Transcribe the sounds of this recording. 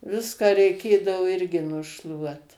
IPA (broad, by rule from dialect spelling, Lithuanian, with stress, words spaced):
ˈʋʲɪskɑː rʲɛɪˈkʲeːdɐʋoː ˈɪrʲɡʲɪ nʊˈʃlˠuɔt